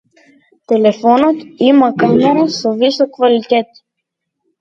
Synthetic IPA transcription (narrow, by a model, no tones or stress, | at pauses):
t̪ɛlɛfɔnɔt̪imakamɛɾasovisokkvalit̪ɛt̪